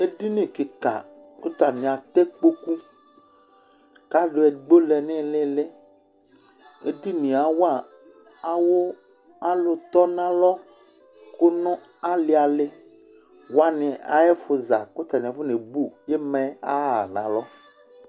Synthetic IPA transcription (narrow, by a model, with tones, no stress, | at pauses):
e˦du˦nẽ˨ke˨ka̰˨ | ko˦t̪a˨nẽ˨a˨t̪e˦k͡po˦ku˦ | ka˦ɖʊ˨˦ɛ˨ɡ͡bo˦le˨nɪ̃˦lɪ˦le˦ | ḛ˦du˦nĩ˨a˨wa˨ | a˦wo˦ | a˦lʊ˨t̪ɔ˦nã˦lɔ˦ | kʊ˦nʊ̃˦ | a˦li˨˦a˨lɪ˦ | wa˦nɪ̃˨a̰˨ɛ˦fʊ˨za̰˨kʊ˦t̪a˨n˨ɸʊ˦ne˨bu˦˨je˦mɛ̃˨a̰˦˨nã̰˨lɔ˦